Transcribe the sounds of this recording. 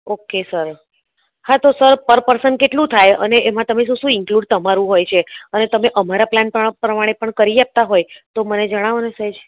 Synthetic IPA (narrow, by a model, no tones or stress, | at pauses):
okesəɾ | hãt̪osəɾpəɾpəɾsənkeʈlũt̪ʰajə̰neemãt̪əmeʃ̬ũʃũɪŋkluɖ̚t̪əmaɾũɦojt͡ʃʰeənet̪əmeʔəmaɾaplanpəpɾəmaɽ̃epəɳkəɾiap̚t̪aɦojt̪oməned͡ʒəɽ̃aʋonesəd͡ʒ